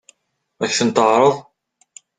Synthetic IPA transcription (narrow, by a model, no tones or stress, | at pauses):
æçθənt̪əʕɾˤəðˤ